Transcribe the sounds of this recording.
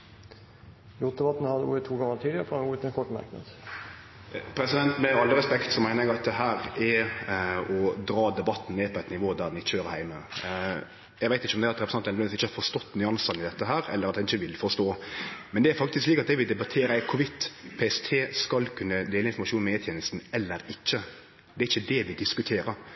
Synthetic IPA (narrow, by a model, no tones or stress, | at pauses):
j̪ut̪̚d̪ɛbɑt̪n̩hɑd̪əṵət̪ʰːuːɡɑŋət̪ʰiːd̪ɪəɾəfɔuːət̪ɛnkʰɔʈːmɑ̰ɾknɑ̰d̪ | pʰɾɛsɪd̪ɛnt̪mɛɑlːəɾɛspɛkt̪sɔmæɪnəɾɛɡɑt̪̚d̪ɛɦæːɾɛ | ɔd̪ɾɑːd̪ɛbɑt̪ːn̩neːpʰɔɛt̪nɪʋoːd̪æɾd̪ɛnɪçːəøːɾəɾhæɪmə | jɛɡʋæɪɪçːəɔmd̪ɛæɑt̪ɾɛpɾsɑnɛnɛnɪsɪːəhɑfɔɾst̪ɔt̪ːnyːɑnsɑnɪd̪ɛt̪ːəɦæːɾɛ̰lːəɾɑt̪dhɛnɪçəʋɪlfɔst̪oːmɛnd̪ɛæɾfɑk̚t̪ɪskliːkɑt̪d̪ɛʋɪld̪ɛbɑt̪ʰeːɾəɛkʰʊʋɪt̪ːpʰeːɛst̪ʰeːskɑlkʰʉnːəd̪eːləɪnfɔmɑʂuːnmeːt̪ʰɛːnəlst̪n̩ɛlːəɾɪçːə | d̪ɛæɾɪçːəd̪ɛʋɪd̪ɪskʉt̪ʰeːɾə